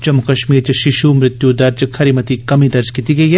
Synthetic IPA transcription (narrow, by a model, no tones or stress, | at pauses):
d͡ʒɐmːukɐʃmiːɾt͡ʃɐʃɪʃumɾɪt̪jud̪ɐɾd͡ʒkʰɐɾimɐt̪ikɐmid̪ɐɾd͡ʒkit̪iɡɐiɦɛ